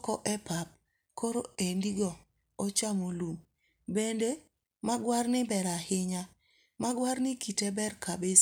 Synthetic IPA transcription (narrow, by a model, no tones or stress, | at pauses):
kɔʔɛpap̚ | koɾo̰endiɡɔ | ɔt͡ʃamolum | bende | maɡwarnɪbɛɾahɪɲa | maɡwaɾnɪkitebɛrkabe